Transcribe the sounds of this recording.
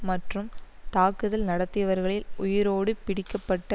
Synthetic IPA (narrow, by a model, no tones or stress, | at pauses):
mɐʈrɯmt̪aːkɯðɐlnɐɽɐt̪ːɪjɐʋɐɾɣɐɭɪlʊjɪɾoːɽɯpɪɽɪkːɐpːɐʈːɐ